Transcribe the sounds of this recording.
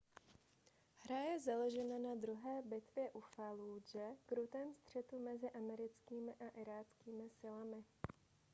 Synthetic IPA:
hɾajɛzaloʒɛnanad̪ɾuɦɛːbɪt̪vjɛʔufaluːd͡ʒɛɡɾut̪ɛːmst̪r̝̥ɛt̪umɛzɪʔamɛɾɪt͡skiːmɪʔaʔɪɾaːt͡skiːmɪsɪlamɪ

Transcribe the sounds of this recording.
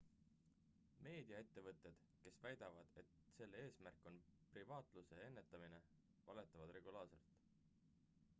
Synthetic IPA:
me̞ːd̪̥iɑe̞t̪ːe̞vɤt̪ːˑe̞d̪̥ | ke̞svæjd̪̥ɑvɑd̪̥e̞t̪se̞lːee̞ːsmærkːˑo̞nprivɑːt̪ˑluse̞e̞nːe̞t̪ːˑɑmine | vɑle̞t̪ːˑɑvɑd̪re̞ɡ̥ulɑːrse̞̰lt̪ˑ

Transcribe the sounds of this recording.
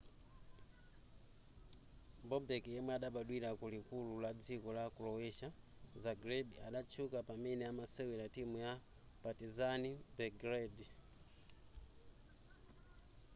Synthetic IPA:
bɔbɛkjɛmwɛaɗaɓaɗwiɾakulikululad͡zikɔlakulɔwɛʃa | zaɡɾɛdiaɗat͡ʃʰukapamɛnɛamasɛwilatimuja | patizanibɛɡɾɛdi

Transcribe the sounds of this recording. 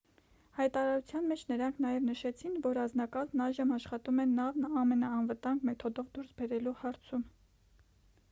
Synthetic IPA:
hɑjt̪ɑɾɑɾut͡sʰjɑnmɛt͡ʃʰnəɾɑŋkʰnɑjɛvnəʃɛt͡sʰinvɔɾɑnznɑkɑlnɑjʒəmɑʃχɑt̪umɛnːɑvnɑmɛnɑɑnvət̪ɑŋɡmɛt̪ʰɔd̪ɔvd̪uɾsbɛɾɛluhɑɾt͡sʰum

